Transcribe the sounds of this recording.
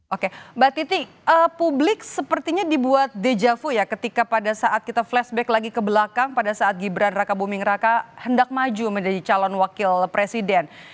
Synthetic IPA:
ʔokebat̪it̪i | ʔəpublɪk̚səpərt̪iɲadibuat̪̚ded͡ʒafujakət̪ikapadasaʔat̪̚kit̪aflɛsbɛklaɡikəbəlakaŋpadasaːt̪̚ɡibɾanrakabumɪŋrakahəndak̚mad͡ʒuməɲd͡ʒadit͡ʃalɔnwakɪlpɾesidɛn

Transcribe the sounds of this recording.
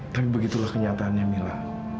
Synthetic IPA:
t̪apibəɡit̪ulahkəɲat̪aːnjamila

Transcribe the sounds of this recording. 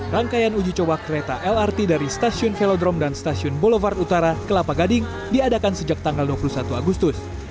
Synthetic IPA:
raŋkajanud͡ʒit͡ʃɔwakəɾet̪aʔɛlart̪idaɾist̪asiʊnfɛlɔdɾɔmdanst̪asiʊnbɔlovart̪ut̪aɾakəlapaɡadɪŋ | diadakansəd͡ʒak̚t̪aŋɡalduapulusat̪uaɡust̪ʊs

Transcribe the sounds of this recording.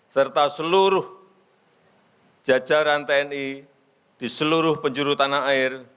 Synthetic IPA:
sərt̪asəluɾʊh | d͡ʒ̥ḁd͡ʒ̥a̤ɾant̪ɛɛni | d̪̥i̤səluɾʊhpəɲd͡ʒuɾut̪anaaɪr

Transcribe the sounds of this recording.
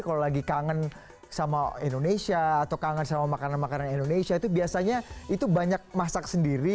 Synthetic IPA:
kalolaɡikaŋən | samaindonesiaːt̪awkaŋənsamamakananmakananindonesiait̪ubiasaɲait̪ubaɲak̚masaksəndiɾi

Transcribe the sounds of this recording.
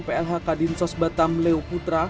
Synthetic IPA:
peɛlɦakadinsɔsbat̪amleoput̪ɾa

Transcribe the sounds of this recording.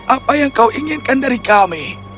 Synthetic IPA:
ʔapajaŋkauʔiŋɪnkandaɾikami

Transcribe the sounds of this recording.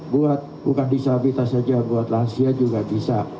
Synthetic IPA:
buat̪̚bukandisabit̪asad͡ʒabuat̪laɦansiad͡ʒuɡabisa

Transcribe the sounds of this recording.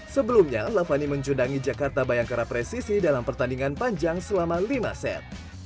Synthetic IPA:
səbəlumɲalafaniməɲt͡ʃundaŋid͡ʒakart̪abajaŋkaɾapɾesisidalampərt̪andiŋanpaɲd͡ʒaŋsəlamalima̰sɛ̰t̪̚

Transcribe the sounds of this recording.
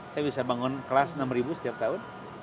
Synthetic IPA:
sajabisabaŋʊnkəlasnamribusə̥t̪iap̚t̪aʊn

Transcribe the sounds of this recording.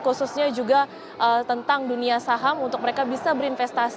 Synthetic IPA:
kususɲad͡ʒuɡa | ʔət̪ənt̪aŋduniasaɦamunt̪ʊk̚məɾekabisabəɾinfɛst̪as

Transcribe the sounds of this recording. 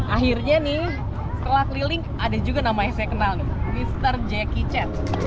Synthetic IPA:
ʔaɦirɲanɪh | səlak̪lilɪŋkadad͡ʒuɡanamaɲasɛkənalnɪmist̪ərd͡ʒɛkit͡ʃɛt̪̚

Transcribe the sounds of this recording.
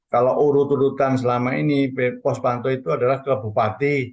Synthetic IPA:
kaloʔuɾut̪uɾut̪ans̬əlamainipepɔspant̪ɔit̪uada̤lahkələbṳpat̪i

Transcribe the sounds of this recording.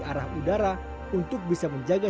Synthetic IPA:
aɾahudaɾa | unt̪ʊk̚bisaməɲd͡ʒaɡa

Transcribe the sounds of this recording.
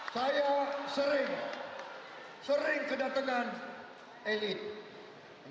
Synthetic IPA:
sajasəɾɪŋ | səɾɪŋkədat̪aŋan | elɪt̪̚

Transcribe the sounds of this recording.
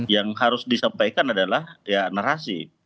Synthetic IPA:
jaŋhaɾʊsdisampajkanadalahjanaɾasḭ

